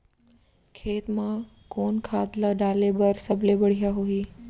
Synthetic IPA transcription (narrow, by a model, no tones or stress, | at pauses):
kʰeːt̪mã | konkʰad̪laɖalebəɾsəblebəɽ̤ijaɦoi